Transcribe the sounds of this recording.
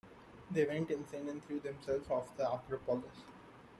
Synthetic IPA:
d̪eːʋɛ̃ɳʈɪ̃nsẽnɛ̃nt̪ʰɾiːd̪ɛ̃msɛlzɔːfd̪əaːpəɾəpɔːlɪs

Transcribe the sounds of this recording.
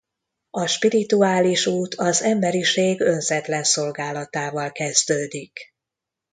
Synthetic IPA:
ɒʃpiɾit̪uaːliʃuːt̪ʰɒzɛmbɛɾiʃeːɡø̞nzɛt̪lɛnso̞lɡaːlɒt̪aːvɒlkɛzd̪øːd̪ik

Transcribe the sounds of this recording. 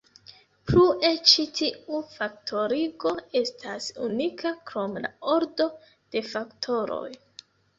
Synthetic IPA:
plue̞t͡ʃitiufaktʰo̞ɾiɡo̞e̞stʰasṵnikʰakɾo̞mla̰o̞ɾdo̞ | d̥e̞faktʰo̞ɾo̞̰j

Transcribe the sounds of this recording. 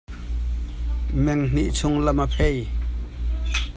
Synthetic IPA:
mɛŋn̥iʔt͡sʰʊŋlamapʰej

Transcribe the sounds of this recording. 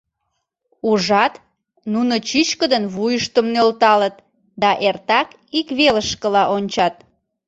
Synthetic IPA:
uʒɑt̪ | nunət͡ɕit͡ɕkəd̪ənβujəʃt̪əmnølt̪ɑlət̪ | d̪ɑʔert̪ɑk | ikβeləʃkəlɑʔonʲt͡ɕɑt̪̚

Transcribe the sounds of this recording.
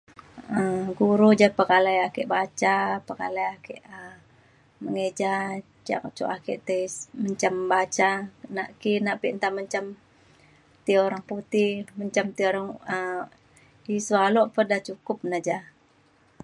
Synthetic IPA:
əɡuɾud͡ʒapəkalajakɛʔbat͡ʃapəɡa̰lajakeʔə | məŋed͡ʒa | d͡ʒa̰kat͡ʃṵʔakeʔt̪əməɲt͡ʃambat͡ʃanaʔkinaʔpiʔnt̪aməɲt͡ʃam | t̪ioɾaŋput̪iməɲt͡ʃamt̪ioɾaŋə | isualɔʔpədat͡ʃukʊp̚nad͡ʒa

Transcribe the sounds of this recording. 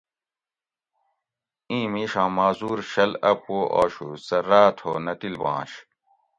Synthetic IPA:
ĩːmiːɕãːmaːzuːɾɕɐlɐpoːʔo̰ːɕusɐɾaːt̪ʰo̰ːnɐt̪ilbɑ̰̃ːɕ

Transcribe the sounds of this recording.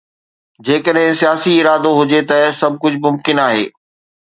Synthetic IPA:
d͡ʑeːkəɗɦɪ̃sijaːsiɪɾaːd̪oɦʊd͡ʑet̪ɐsɐb̚ʱkʊd͡ʑʱmʊmkɪnaːɦeː

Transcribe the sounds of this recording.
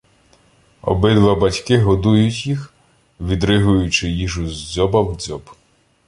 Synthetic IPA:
ɔ̰bɪd̪ʋabɐtʲkɪɦɔd̪ujʊtʲjix | ʋʲid̪ɾɪɦʊjʊt͡ʃɪjiʒʊzʲd͡zʲɔbɐwd͡zʲɔb

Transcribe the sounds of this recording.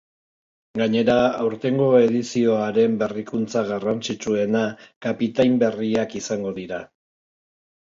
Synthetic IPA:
ɡaɲe̞ɾaawɾt̪e̞ŋɡo̞e̞ðisio̞aɾe̞mbe̞rikunt͡saɣarant͡sit͡sue̞nakapit̪ajmbe̞riakisaŋɡo̞ðiɾa

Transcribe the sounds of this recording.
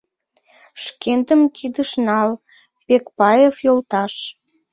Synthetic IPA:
ʃkend̪əmkʰid̪əʃnɑl | pekpɑjefjolt̪ɑʃ

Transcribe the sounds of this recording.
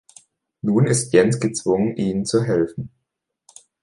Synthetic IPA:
nuːnɪstjɛnsɡ̥ət͡sv̥ʊŋənʔiːnənt͡suɦɛlfn̩

